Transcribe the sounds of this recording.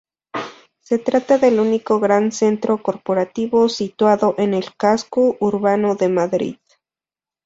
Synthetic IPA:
se̞t̪ɾat̪aðe̞lunikoɣɾanse̞nt̪ɾoko̞ɾpoɾat̪iβosit̪waðoʔenelkaskoʔuɾβanoðe̞maðɾḭð

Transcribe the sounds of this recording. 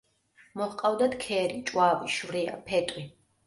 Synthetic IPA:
mɔhqʼawd̪at̪kʰɛɾit͡ʃʼwaːviʃvɾia̰pʰɛt̪ʼwi

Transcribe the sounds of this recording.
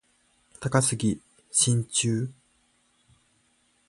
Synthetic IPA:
t̪akasɨɡʲi | ɕĩɲt͡ɕɨː

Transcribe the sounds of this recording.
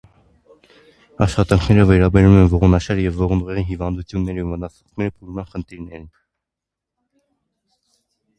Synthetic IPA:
ɑʃχɑt̪ɑŋkʰnɛɾəvɛɾɑbɛɾumɛnvɔʁɔnɑʃɑɾjɛvːɔʁnuʁɛʁinɦivɑnd̪ut͡sʰjunːɛɾiumənɑt͡sʰɑ̥mɛɾəpʰulumɑnχənt̪ʰiɾnɛɾin

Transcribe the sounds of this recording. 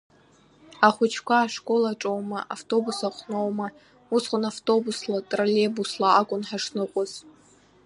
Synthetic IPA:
aχʷʊt͡ʃʰkʷʰaːʂkʼo̞laʈ͡ʂʼowmaʔaftʼo̞busaχʷnowma | usχʷʼʊnaftʼo̞buslatʼralebuslaakʷʼʊnħaʂnɨqʷʼʊz̥

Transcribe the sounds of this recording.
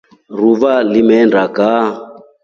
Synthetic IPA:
ruβalimɛndaka

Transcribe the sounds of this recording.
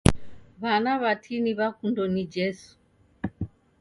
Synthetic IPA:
βanaβatʰiniβakundɔnid͡ʒɛsu̥

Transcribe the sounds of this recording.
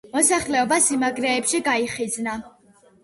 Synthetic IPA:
mɔsaχlɛɔbasimaɡɾɛːpʃiɡaiχid̪zna

